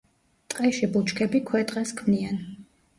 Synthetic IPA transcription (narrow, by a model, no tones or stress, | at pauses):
t̪ʼqʼɛʃibut͡ʃʰkʰɛbikʰwɛt̪ʼqʼɛskʰmnian